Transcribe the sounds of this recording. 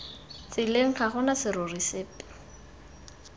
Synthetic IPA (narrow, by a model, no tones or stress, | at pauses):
t͡sɪleŋ̩χaχʊnasɪɾʊrisɪːp